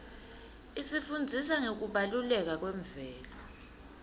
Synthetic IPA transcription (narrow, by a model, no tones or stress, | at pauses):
isifund͡zʱisaŋek̬uɓalulɛk̬ak̬wɛɱvɛːlɔ